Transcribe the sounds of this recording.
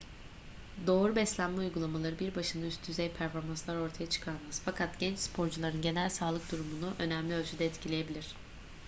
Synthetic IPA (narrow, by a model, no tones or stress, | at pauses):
d̪o̞ːɾubɛslʲænmɛujɡulˠamalˠaɾɯbiɾbaʃɯnd̪ayst̪ʰyzɛjpʰæɾfo̞ɾmanslˠaɾo̞ɾt̪ʰajat͡ʃʰɯ̥kʰaɾmazfakʰat̪ɟɛnt͡ʃspʰo̞ɾd͡ʒulˠaɾɯnɟe̞nælʲsaːlˠɯk̚d̪uɾumunuʔø̞næmlʲiø̞lʲd͡ʒʰyd̪ɛːt̪cʰilʲeje̞bilʲiɾ̥